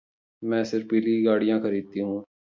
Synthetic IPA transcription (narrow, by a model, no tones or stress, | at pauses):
mɛ̃ːsɪɾfiːliːɡaːɽijãːkʰəɾiːd̪̚t̪iːɦũː